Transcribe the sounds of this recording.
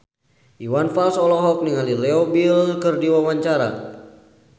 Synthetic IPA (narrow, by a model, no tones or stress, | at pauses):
ʔiwanfalsɔlɔɦɔk̚niŋalilɛɔbilkɨrdiwawaɲt͡ʃaɾa̰